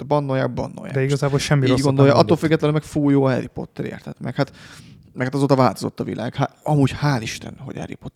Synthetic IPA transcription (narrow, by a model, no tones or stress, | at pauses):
bɒnːojaːɡ̚bɒ̰nːo̰jaːd̪ɛiɡɒzaːbolʃɛmːiiosɟɡond̪ojɒʔɒt̪ːoːlfyɡːɛt̪lɛlømːɛkfuːjoːɛripo̞̰t̪ːɛɾḛːrt̪ʰɛt̪mɛkhat̪ | mɛkhat̪ɒzoːt̪ɒvaːlt̪ozo̞̰t̪ːɒvilʔaːɡhaɒmuːɟhaːliʃt̪ɛ̰nɦoɟɛ̰rḭpot̪ː